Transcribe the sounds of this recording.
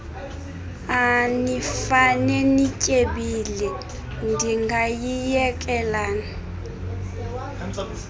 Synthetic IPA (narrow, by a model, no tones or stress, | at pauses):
anifanɛnicʼeɓilɛ | ndʱiŋɡʱajijɛkʼɛlaːni